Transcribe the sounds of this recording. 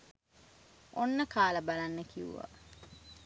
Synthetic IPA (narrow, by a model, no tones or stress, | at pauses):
onːəkaːləbalanːəkiṵʋa̰